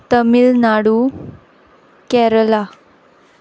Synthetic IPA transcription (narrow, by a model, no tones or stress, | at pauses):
t̪əmilnaɽu | kɛɾla